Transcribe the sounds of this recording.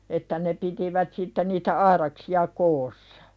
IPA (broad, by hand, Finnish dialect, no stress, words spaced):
etːæ ne pitiʋæt sitːe niːtæ ɑiɾɑksiɑ koːsɑɑ̥